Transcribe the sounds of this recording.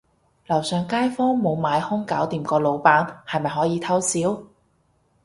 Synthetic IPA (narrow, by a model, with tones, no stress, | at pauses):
lɐ˨˩wsœː˨˧ŋkaː˥jfɔː˥ŋmo˨˧wmaː˨˧jhʊ˥ŋkaː˨˥wt̪iː˨mkɔː˧lo˨˧wpaː˨˥nhɐ˨jmɐ˨jɦɔː˨˥jiː˨˧t̪ʰɐ˥wsiː˨˥w